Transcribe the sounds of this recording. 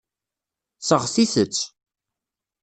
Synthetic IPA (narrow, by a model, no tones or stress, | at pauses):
səʁθiθət͡sː